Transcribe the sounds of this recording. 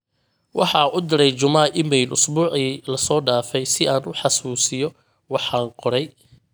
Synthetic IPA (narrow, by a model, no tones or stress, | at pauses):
wʔɑħɑːʔʊd̪ɪɾɛjt͡ʃʊmaːʔɪmɛjlʔʊsbuːʕiːlɐsɔːɖaːfɛjsɪaːnʊħɑsuːsɪjɔ | wɑħɑːnqɔɾɛj